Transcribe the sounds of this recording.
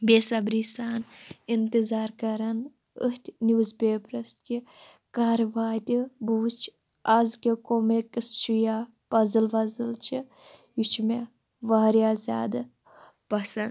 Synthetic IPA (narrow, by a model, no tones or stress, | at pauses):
bʲeːsɐbɾiːsaːnint̪ɨzaːɾkɐɾɐn | əht̪ʲnʲjuːzbʲeːpɾɐst̪ki | kaːɾʋaːt̪ʲibuːst͡ʃʰ | ɐzkʲekomekʲist͡ʃijaː | pɐzɨlʋɐzɨlt͡ʃʰi | jut͡ʃʰme | ʋaːɾjaːzʲa̰ːd̪ɐ | pɐsɐn